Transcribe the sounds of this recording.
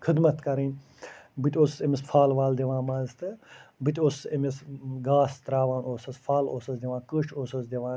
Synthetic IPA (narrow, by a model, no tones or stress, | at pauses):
kʰɨd̪mɐt̪kɐɾinʲ | bɨt̪ʲoːssemisfʰaːlʋaːld̪iʋãːmaːst̪ɨbɨt̪ʲoːssɐmisɡaːst̪ɾaːʋaːnoːsɐsfʰaːloːsɐsd̪iʋãːkəːʃʰoːsɐsd̪ʲiʋãː